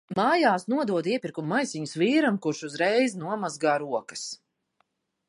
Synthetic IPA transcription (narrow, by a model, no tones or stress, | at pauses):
maːjaːsnuɔd̪uɔd̪iɛpʲiɾkumːajsiɲusviːɾamkuɾʃuzɾɛjznuɔmazɡaːɾuɔkɐ̥s